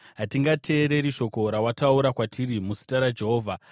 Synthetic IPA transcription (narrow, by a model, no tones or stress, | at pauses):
ɦatiŋɡatʰe̞ːɾe̞ɾiʃo̞ko̞ɾawatauɾakwatʰirimusi̥taɾad͡ʒe̞ɦoːvʱa